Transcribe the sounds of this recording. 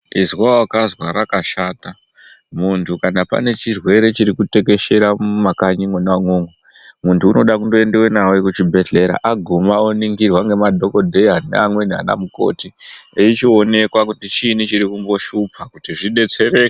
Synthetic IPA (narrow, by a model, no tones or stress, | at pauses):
izwawakazwaɾakaʃaːta | muntʰukanapa̰ne̞t͡ʃirwe̞ɾe̞t͡ʃiɾikute̞ke̞ʃe̞ɾamumakaɲiŋwenewaŋwoŋwe | muntʰuːno̞ɗakundoe̞ndewenawekut͡ʃibʱe̞ɮe̞ɾa̰ʔaɡʱomaoniŋɡirwaŋɡe̞madʱo̞ko̞dʱe̞janḛamwe̞nia̰na̰muko̞̰ːtieit͡ʃione̞kwakutit͡ʃinit͡ʃiɾikumbo̞ʃupʰakutiʐiɗe̞t͡se̞ɾeke